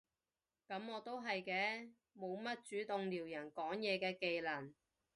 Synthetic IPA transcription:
kɐ˨˥mɔː˨˧t̪o˥wɦɐ˨jkɛː˧ | mo˨˧wmɐ˥t̚t͡ʃyː˨˥t̪ʊ˨ŋliː˨˩wjɐ˨˩nkɔː˨˥ŋjɛː˨˧kɛː˧ke˨jlɐ˨˩n

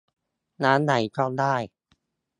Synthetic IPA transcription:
naː˦˥nːa˩˦jkɔː˥˩daː˥˩j

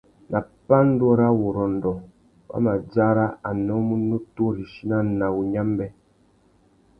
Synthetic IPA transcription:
nʔa˨pa˦n̩˦dɔ˦ɾa˦wo˨ɾɔ˨n̩˨dɔ˨ | ba̰˦ma˨d͡ʒa˦ɾa˦a˨nɔ˦mu˦nu˦to˦ɾi˨ʃi˦na˦˨na˨wu˨ɲa˦m˦bɛ˦

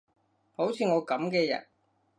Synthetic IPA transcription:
ho˨˥wt͡sʰiː˧ŋɔː˨˧kɐ˨˥mkɛː˧jɐ̰˨˩t̚

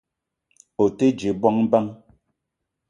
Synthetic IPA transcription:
o˨te˦d͡ʒe˨˦bɔ˦ŋ˦ba˦ŋ

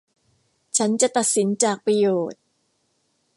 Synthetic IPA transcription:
t͡ɕʰa˦˥nt͡ɕa˨ʔt̪a˨˩t̪̚si˩˦nt͡ɕaː˨˩k̚pɾa˧joː˨˩t̪̚

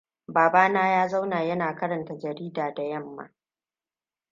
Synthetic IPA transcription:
baː˨baː˦naː˦jaː˦za˦wnaː˨jɐ˦naː˨kɐ˦ɾɐ˨nta˨d͡ʒɐ˨ɾiː˦daː˨da˨jɐ˦mːa̰ː˨˦

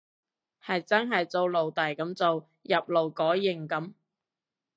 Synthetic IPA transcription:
hɐ˨jt͡sɐ˥nɦɐ˨jt͡so˧wlo˨˩wt̪ɐ˨˩jkɐ˨˥mt͡so˨w | jɐ˨p̚lo˨˩wkɔː˨˥jjɪ˨˩ŋkɐ˨˥m

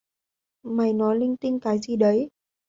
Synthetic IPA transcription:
ma˨˩jnɔ˨˦jlï˧ŋt̪ï˧ŋkaː˨˦jzi˨˩ɗə˨˦j

